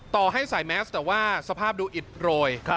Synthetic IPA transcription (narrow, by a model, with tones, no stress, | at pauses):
t̪ɔː˨˩ɦa˥˩jsaː˨˩˦jmɛː˦˥st̪ɛː˨˩waː˥˩sa˧pʰaː˥˩p̚duː˧ʔi˨˩t̪̚ɾoː˧j